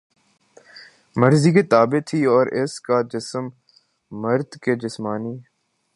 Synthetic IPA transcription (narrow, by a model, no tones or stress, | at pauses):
məɾziket̪aːbet̪ʰiɔːɾɪskad͡ʒɪsəmː | əɾd̪ked͡ʒɪsmaːniː